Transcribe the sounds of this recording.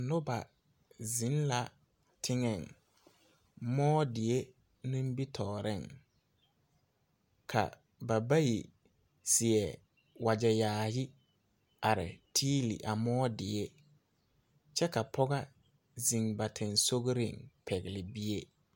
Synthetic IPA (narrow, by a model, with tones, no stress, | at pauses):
nʊ˦ba˨ | zi˨˦nla˨ | tʰɪ˦ŋɛ˨ŋ | mɔː˦dɪ˨e˦ | nũ˦m˦bi˦tʰɔː˨ɾɪ˦˨ŋ | kʰa̰˨ | ba˨ba˦ji˨ | sɪ˨ɛ˨ | wa˨d͡ʒɛ˨jaː˨jɪ˦ | a˨ɾɪ̰˨tʰiː˦lḭ˨ʔa˨mɔː˦dɪ˨e˦ | t͡ʃɛ˦ka˨pʰɔ˦ɡa˦ | zi˨ŋba˨tʰɪ˨nso˦ɣɾɪ̰˦˨ŋpʰɛ˨ɣɪ˨lɪ˨bi˦e˦